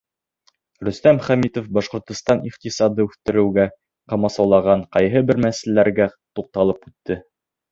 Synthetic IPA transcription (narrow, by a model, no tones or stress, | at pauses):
ɾɵ̆st̪æmχæmit̪ofbɑʃqŏɾt̪ŏst̪ɑniqt̪isɑd̪ɤʉθt̪ɘ̆ɾɘ̆wɡæ | qɑmɑsɑwlˠɑʁɑɴqɑjɦɤbɘɾmæsllæɾɡæ | t̪uq̚t̪ɑlˠɤpʉt̪ːɘ